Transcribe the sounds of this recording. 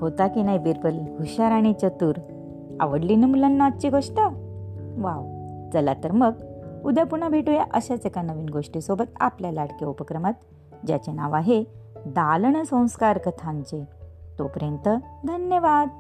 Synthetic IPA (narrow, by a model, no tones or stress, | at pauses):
hot̪akinajbiɾpəlɦuɕaɾaɽ̃it͡ɕət̪uːɾ | a̰ʋəɽlinəmulənːat̪̚t͡ɕiɡʱoʂʈə | ʋaʋ | d͡zəlat̪əɾməɡud̪japuɳ̃abʱeʈujaʔəɕat͡sekanəʋiːnɡoʂʈisobət̪a̰pljalaɽkeupəkɾəmat̪̚ | d͡ʑja̰t͡ɕena̰ʋaɦed̪alɳ̃əsə̃w̃skaɾkət̪ʰãɲt͡ɕet̪opəɾjənt̪əd̪ʱənjəʋad̪̚